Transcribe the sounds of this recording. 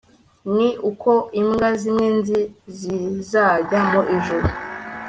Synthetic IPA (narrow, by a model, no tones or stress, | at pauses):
niʔukʰo̞imɡazimŋenzizizaɟamoʔiʒuɾu